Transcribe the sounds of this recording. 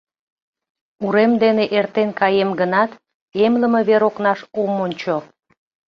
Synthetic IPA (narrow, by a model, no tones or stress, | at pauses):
uɾemd̪eneʔert̪enkɑjemɡənɑt̪ | emləmeβeɾoknɑʃumonʲt͡ɕo